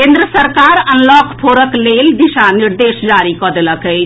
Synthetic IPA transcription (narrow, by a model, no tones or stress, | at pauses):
kẽnd̪ɾəsəɾkaɾənlɔkʰpʰoɾəkleld̪isaniɾd̪esd͡ʒaɾikɔd̪eləkəɪt͡ʃʰ